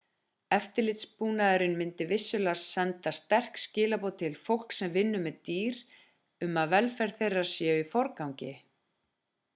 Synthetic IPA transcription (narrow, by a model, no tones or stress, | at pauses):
ɛft̪ɪɾlɪt̪spuːnaðɛɾɪnmɪnt̪ɪvɪsːʏlassɛnt̪ast̪ɛr̥kscɪːlapoːwt̪ʰɪlfowl̥ksɛmvɪnːʏmɛðt̪iːɾ | ʏmaðvɛlfɛɾ̥θejrːḁsjɛːifɔɾkawŋcɪ